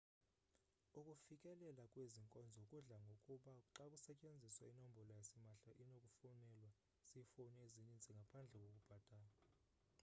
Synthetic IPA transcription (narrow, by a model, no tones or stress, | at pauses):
ukʼufikʼɛlɛlakʼweziŋkʼɔnd͡zʱɔkʼuɮaŋɡʱokʼuɓaǁakʼusɛcʼend͡zʱiswainombʱɔlɔjasimaɬaʔinokʼufunɛlwa | sifɔnɛeziɲind͡zʱiŋɡʱapʰand͡ɮʱɛk̬ʼokʼub̥ʱad̥ʼʱaːla